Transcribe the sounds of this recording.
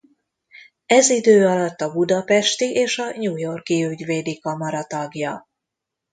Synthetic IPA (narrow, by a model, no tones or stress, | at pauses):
ɛzid̪øːɒlɒt̪ːɒbud̪ɒpɛʃt̪iʔeːʃɒɲuːjo̞rkiyɟveːd̪ikɒmɒɾɒt̪ɒɡjɒ